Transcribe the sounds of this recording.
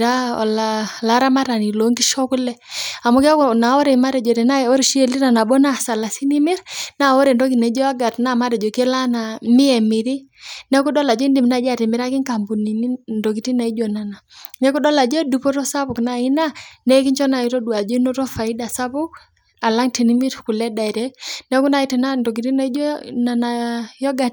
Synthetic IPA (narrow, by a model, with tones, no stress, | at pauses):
ɾa˦ɔ̰˨lala˦ɾa˦ma˦ɾa˨ni˨lo˦ŋɡi˦ʃɔ˦ku˦lɛ˦a˨mu˦ka˦ku˦na˨ɔ˦ɾɛ˨i˨ma˦ɾɛ˨d͡ʒɔ˨tɛ˨na˦ɔ˦ɾi˨ʃi˦ɛ˨li˦ɾa˨na˨bɔ˦na˦˨sa˨la˨si˦ni˦mi˦ɾna˦˨ɔ˦ɾɛ˨ndɔ˦ki˨na˨˦d͡ʒɔ˦a˦ɡa˨tna˦˨ma˦ɾɛ˨d͡ʒɔ˨kɛ˦la˦na˨mi˦ɛ˨mi˨ɾi˦nɛ˦ku˦ɗɔ˦la˨d͡ʒɔ˦i˦ndi˨m˨na˦˨˦d͡ʒa˦˨ti˨mi˨ɾa˦ki˦ŋka˨mbu˨ni˨ni˦ndɔ˨k̬i˨ti˦na˨i˦d͡ʒo˨na˨na˨nɛ˦ku˦dɔ˦la˨d͡ʒɔ˦du˨pɔ˦tɔ˦sa˦pu˨kna˨i˦na˦nɛ˦ki˦ɲt͡ʃɔ˦na˨ji˦tɔ˦du˨a˨d͡ʒɔ˦i˦no˦tɔ˦fa˨i˦da˨sa˦pu˦k̚ | a˨la˦ŋti˨ni˦mi˦ɾku˨lɛ˦da˨i˨ɾɛ˦nɛ˦ku˦na˨i˦tɛ˨na˦ndɔ˨k̬i˨ti˦na˨i˦d͡ʒo˦na˨na˨jɔ˦ɡa˨t